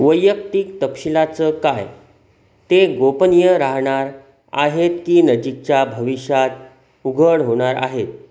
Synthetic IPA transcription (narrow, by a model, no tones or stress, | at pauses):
ʋəjək̚t̪iːk̚t̪əpɕilat͡səkaj | t̪eɡopənijəɾaɦɳ̃aɾ | a̰ɦet̪kiːnəd͡ʑik̚t͡ɕjabʱəʋiɕjat̪̚ | uɡʱəɽɦoɽ̃aɾa̰ɦet̪̚